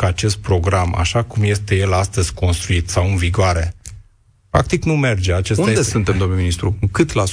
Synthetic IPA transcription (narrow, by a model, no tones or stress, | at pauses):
kəat͡ʃe̞st̪̚pɾo̞ɡɾama̰ʃakumje̞st̪e̞je̞last̪əz̥ʲko̞nst̪ɾuit̪sawɨnviɡoaɾe̞ | pɾa̰k̚t̪iknume̞rd͡ʒe̞at͡ʃes̬unjed̪esɨnt̪emd̪o̞mnminist̪ɾukɨt̪la